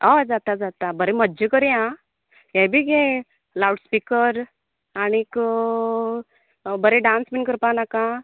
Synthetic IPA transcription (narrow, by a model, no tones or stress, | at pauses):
ad͡zat̪ad͡zat̪abəɾẽməːd͡ʑəkəɾã | jɛ̃bʱiːɡẽ | lawʈspikəɾ | añik | bəɾeɖãnsmiɳkəɾpanakã